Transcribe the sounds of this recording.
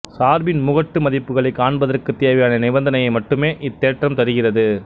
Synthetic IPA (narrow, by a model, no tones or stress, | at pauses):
saːɾbɪnmʊɣɐʈːɯmɐðɪpːɯɣɐɭɐɪkːaːɳbɐðɐrkɯt̪ːeːʋɐjaːnɐnɪʋɐnd̪ɐnɐjɐɪmɐʈːɯmeːʔɪt̪ːeːʈrɐmt̪ɐɾɯɣɪrɐðɯ